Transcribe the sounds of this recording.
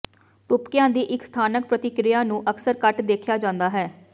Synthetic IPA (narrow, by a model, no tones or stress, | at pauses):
t̪ʊpkɪjãːd̪iːʔɪkst̪ʰaːnək̚pɾət̪ɪkɾɪjaːnũːʔəksəɾkəʈd̪eːkʰjaːd͡ʒãːnd̪aːɦɛː